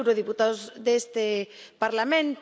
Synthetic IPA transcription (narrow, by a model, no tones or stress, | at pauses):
wɾoð̞iput̪aðʊzðest̪ɪ | paɾlamẽnt̪